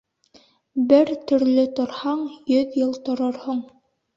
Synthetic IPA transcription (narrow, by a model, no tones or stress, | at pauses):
bɘɾt̪ɵ̆ɾlɵt̪ŏɾhɑɴjɵðjɤlˠt̪ŏɾɤɾhuɴ